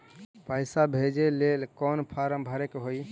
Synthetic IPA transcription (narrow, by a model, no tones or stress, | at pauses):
pəɪsabʱed͡ʒelelkɔnpʰaɾəmbʱəɾekɦoi